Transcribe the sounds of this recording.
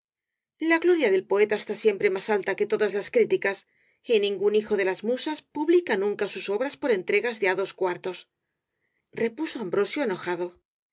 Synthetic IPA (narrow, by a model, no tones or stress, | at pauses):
laɣlo̞ɾjaðe̞lpo̞e̞t̪aest̪asje̞mpɾe̞masalt̪ake̞t̪o̞ðazlaskɾit̪ikas | inĩŋɡunixo̞ðe̞lazmusaspuβlikanũŋkasuso̞βɾaspo̞ɾe̞nt̪ɾe̞ɣazðe̞aðo̞skwaɾt̪o̞s | re̞puso̞ambɾo̞sjoeno̞xaðo̞